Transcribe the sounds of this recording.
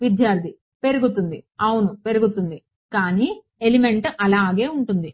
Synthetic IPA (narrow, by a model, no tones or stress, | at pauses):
ʋid̪jaːɾt̪ʰi | pe̞ɾuɡut̪und̪iɐwunupe̞ɾuɡut̪und̪i | kaːniː | elime̞ɳʈɐlaːɡe̞ːuɳʈund̪i